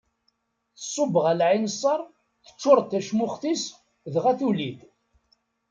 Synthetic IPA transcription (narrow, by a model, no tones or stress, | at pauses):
θəsˤːobəʁælʕinəsˤːɑɾˤ | θə̥t͡ʃːʊɾˤt̪ːæʃmʊχθis | ðʁæθuliθ